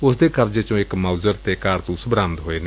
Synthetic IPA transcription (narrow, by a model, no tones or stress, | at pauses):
ʊsd̪eːkəɾd͡ʒeːt͡ʃõːɪkmaːzəɾt̪eːkaːɾt̪ũːsbɾãːmt̪ɦoːeːneː